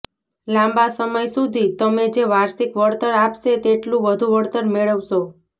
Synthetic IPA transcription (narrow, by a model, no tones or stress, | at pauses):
lãmbasəməjsud̪ʱit̪əmed͡ʒeʋaɾsikʋəɽt̪əɳapʃet̪eʈlũʋəd̪ʱũʋəɾt̪ənmeɭəʋʃo